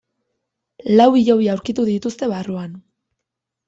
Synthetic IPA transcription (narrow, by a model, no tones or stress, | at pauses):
lawiʎoβiawɾkit̪uðit̪ust̪e̞βaruan